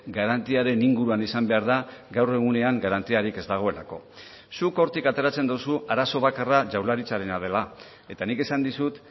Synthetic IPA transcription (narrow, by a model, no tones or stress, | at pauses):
ɡaɾant̪iaɾe̞niŋɡuɾuanisambe̞aɾðaɡawre̞ɣ̞une̞aŋɡaɾant̪iaɾike̞zd̪aɣ̞o̞e̞lako̞̰ | suko̞ɾt̪ikat̪e̞ɾat͡se̞nd̪usuaɾaso̞β̞akaraʝawlaɾit͡saɾe̞naðe̞la | e̞t̪anike̞sand̪isut̪